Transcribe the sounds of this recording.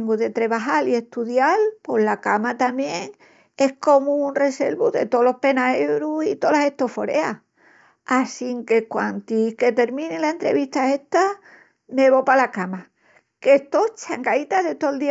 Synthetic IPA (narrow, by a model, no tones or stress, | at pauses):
ŋɡuðe̞t̪ɾe̞βaɦalie̞ht̪uðjalpo̞ɦlakamat̪amje̞ŋ | e̞hko̞munre̞se̞̰lβuðe̞̰t̪o̞lo̞hpe̞naewɾusit̪o̞lase̞ht̪o̞fo̞ɾe̞a̰ | asiŋke̞kwant̪ike̞t̪e̞ɾmĩnilae̞nt̪ɾeβiht̪ae̞ht̪a | me̞βopalakama | ke̞st̪o̞t͡ʃaŋɡait̪aðe̞t̪old̪i